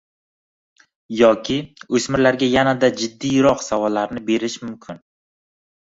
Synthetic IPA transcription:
jɒkʲʰɪɵsmɪɾlaɾɡʲajanad̪ad͡ʒɪd̪ːijɾɒqsavɒlːaɾnɪbe̞ɾɪʃmʊmkʲʰɪn

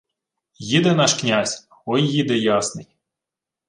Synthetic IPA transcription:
jid̪ɛnɑʃknʲazʲ | ɔjːid̪ɛjɑsnɪj

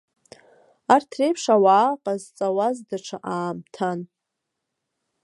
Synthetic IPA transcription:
artʰrejpʰʂawaːqʼazt͡sʼawazdaʈ͡ʂʷʰaʔaːmtʰan

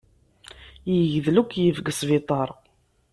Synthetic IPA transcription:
jəʝðlukʷːjəvɡəsvit̪ˤɑɾˤ

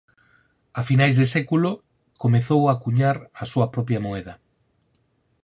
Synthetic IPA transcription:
afinajzðesɛkulo | komeθowakuɲaɾɐsuɐpɾɔpjɐmoɛðɐ

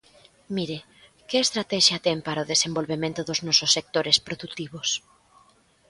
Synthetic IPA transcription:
miɾe | kɪest̪ɾat̪ɛʃjat̪ɛmpaɾaoðesembolβemẽnt̪ʊðʊznɔsosːek̚t̪oɾespɾoðut̪iβos

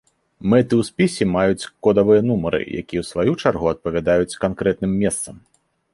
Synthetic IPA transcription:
mɛt̪ɨwspʲisʲɛmajut͡sʲkɔd̪ɐvɨjɐn̪umɐɾɨ̰ja̰kʲijɛwsvajut͡ʂarɣuɐt̪̚pɐvʲad̪ajut͡sʲkankɾɛt̪̚nɨmːʲɛst̪sɐm

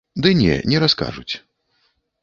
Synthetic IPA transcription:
d̪ɨnʲɛ̰nʲɛɾaska̰ʐut͡sʲ

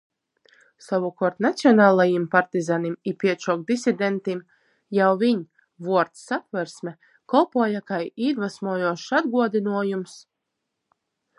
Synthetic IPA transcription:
savukɔɾt̪nat̪sʲiɔnaːlˠajimpaɾt̪izanimipʲiɛt͡ʃɔk̚d̪isʲid̪ʲɛnt̪im | jawviɲ | vuɔɾt̪sapvɛɾsmɛ | kɔlˠpuɔjakajiːɾvasmuɔjuɔʃad̪ɡuɔd̪inuɔjums

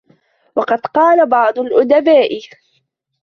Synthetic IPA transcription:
wɑqɑd̪qɑːlabɑʕd̪ˤʊlʔʊd̪abaːʔɪ

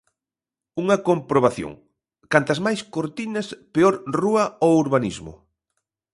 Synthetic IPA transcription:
uŋɐkompɾoβaθjo̰ŋ | kant̪ɐzmajskoɾt̪inɐspeoɾruɐouɾβanizmʊ̰

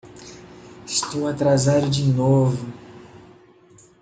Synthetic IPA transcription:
ɪst̪owat̪ɾazad̪ʊd͡ʒinovʊ

